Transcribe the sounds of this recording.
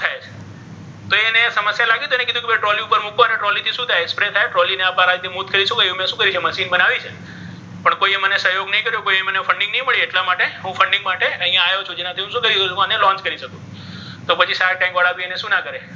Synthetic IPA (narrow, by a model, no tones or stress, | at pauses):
t̪ʰajet͡ʃʰ | t̪oenesəməsjalaɡit̪oenekid̪ʱũkebeʈɾɔliupəɾmukoəneʈɾɔlit̪ʰiʃũt̪ʰajekspɾet̪ʰajʈɾɔlineapaɾad͡ʒt̪imut̪̚kəɾiʃʰũkəjũmjãʃũkəɾit͡ʃʰeməʃinbənaʋit͡ʃʰe | pəɳkoiemənesəɦjoɡnəɦĩkəɾjũkoiemənefʰəɳɖɪ̃ŋnəɦĩməɭieʈlamaʈeɦũfəɳɖɪ̃ŋɡmaʈeəɦĩjãajot͡ʃʰũd͡ʒenat̪ʰiɦũʃũkəɾiut͡ʃukanjẽlɔ̃ɲt͡ʃkəɾiʃəkũ | t̪opət͡ʃʰisaɾʈajmʋaɭabieneʃũnakəɾe